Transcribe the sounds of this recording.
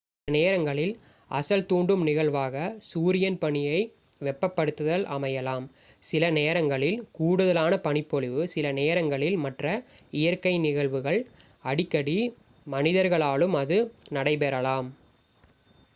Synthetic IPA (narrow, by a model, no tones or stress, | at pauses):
neːɾɐŋɡɐɭɪl | ɐ̰sɐlt̪uːɳɖɯmnɪɣɐɭʋaːɣɐsuːɾɪjɐnpɐɳɪjɐɪ | ʋɛpːɐpːɐɽɯt̪ːɯðɐlʔɐmɐjɐlaːm | sɪlɐneːɾɐŋɡɐɭɪlkuːɽɯðɐlaːnɐpɐɳɪpːɔɭɪʋɯsɪlɐneːɾɐŋɡɐɭɪlmɐʈrɐ | ɪjɐɾkɐɪnɪɣɐɭʋɯɣɐɭ | ɐɽɪkːɐɽi | mɐnɪðɐɾɣɐɭaːɭɯmɐðɯnɐɽɐɪpɛɾɐlaːm